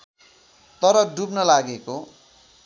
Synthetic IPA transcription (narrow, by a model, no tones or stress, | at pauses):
t̪ʌɾʌɖupnʌlaɡeko